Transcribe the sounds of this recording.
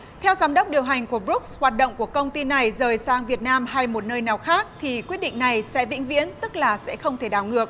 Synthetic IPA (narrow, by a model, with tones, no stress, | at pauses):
t̪ʰɛ˧wzaː˨˦mɗə˦˥wk͡p̚ɗi˨˩əwɦa˨˩jŋ̟ku˧˩əbɾu˦˥k̚shwaː˨˩t̚ɗə̰˧˨wŋ͡mku˧˩əkə˧wŋ͡mt̪i˧na˨˩jzəː˨˩jsaː˧ŋvi˨˩ət̚naː˧mɦa˧jmo˨˩t̚nəː˧jnaː˨˩wxaː˦˥k̚t̪ʰi˨˩kwi˦˥ət̚ɗḭ˧˨ŋ̟na˨˩jsɛ̰˧˥vḭ˧˥ŋ̟vḭ˧˥ənt̪ɨ˦˥k̚laː˨˩sɛ̰˧˥xə˧wŋ͡mt̪ʰe˧˩ɗaː˧˩wŋɨ˨˩ək̚